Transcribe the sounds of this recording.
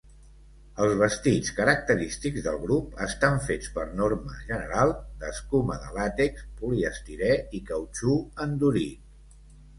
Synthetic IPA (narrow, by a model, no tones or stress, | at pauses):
əlˠzβəst̪it͡skəɾək̚t̪əɾist̪iɡzðəlˠɣɾupəst̪aɱfet͡spəɾnorməʒənəɾalˠd̪əskuməðə̰lat̪ekspuliəst̪iɾɛikəwt͡ʃuənd̪uɾi